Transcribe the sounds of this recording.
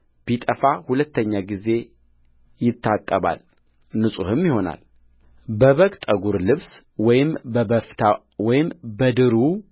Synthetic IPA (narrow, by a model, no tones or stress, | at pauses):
b̥it̪ʼəfahulət̪ʰːəɲːaɡize̞ | jɪt̪ʰːat̪ʼːəβa̰l | nɨsʼuhɨmjɪho̞na̰l | bəβəkʼt̪ʼəɡuɾlɨβswɔjɪmbəbəft̪ʰa | wɔjɪmbəd̪ɨɾu